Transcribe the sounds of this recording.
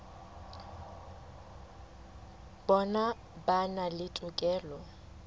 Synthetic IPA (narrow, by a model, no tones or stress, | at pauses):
bɔna | banalɪtʼʊkʼɛːlɔ